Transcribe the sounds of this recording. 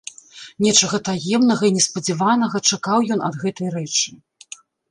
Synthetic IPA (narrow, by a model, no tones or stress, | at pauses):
nʲɛt͡ʂɐɣɐt̪ajɛmnɐɣɐinʲɛspɐd͡zʲɛvanɐɣɐt͡ʂakawjɔnɐd̪ɣɛt̪ɐjɾɛt͡ʂɨ̥